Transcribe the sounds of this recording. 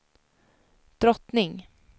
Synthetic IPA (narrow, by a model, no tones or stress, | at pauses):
d̪̥ɾɔt̪nɪŋ